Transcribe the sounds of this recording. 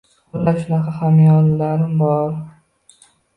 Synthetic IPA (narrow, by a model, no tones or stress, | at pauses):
ʊlːaɾʃʊnɑqʰɑhamjɒllaɾɪmbɒɾ